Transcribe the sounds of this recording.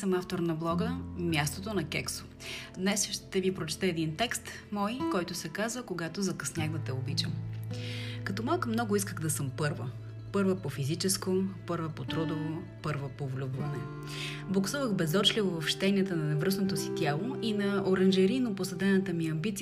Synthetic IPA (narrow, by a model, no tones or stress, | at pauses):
səmaft̪oɾnɐblˠɔɡəmʲjast̪ot̪onɐkʲɛkso̥ | d̪nɛsʃt̪ɛvipɾot͡ʃɛ̥t̪ɛːd̪int̪ɛkst̪ | mɔjkɔjt̪ʊsɛkazvəkoɡat̪ozɐkɐsnʲaɣd̪ət̪ɛobit͡ʃəm | kɐt̪ɔmalˠkəmnɔɡʊiskəɣd̪ɐsɤmpɤɾvə | pɤɾvəpofizit͡ʃɛskopɤɾvəpot̪ɾod̪ovo | pɤɾvəpovlʲubvɐnɛ | blˠoksuvəxbɛzɔt͡ʃlʲivovɐfʃt̪ɛniɛt̪ənɐnɛvɾɤsnot̪osit̪ʲjalˠoinɐʔoɾənʒɛɾinoposɐd̪ɛnət̪əmiɐmbit̪si